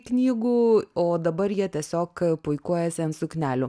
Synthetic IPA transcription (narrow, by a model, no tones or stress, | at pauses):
knʲiːɡuːoːd̪ɐbɐɾjiɛt̪ʲiɛsʲoːkpʊɪkuɔjɛsʲɪɐnt̪sʊknʲæːlʲʊ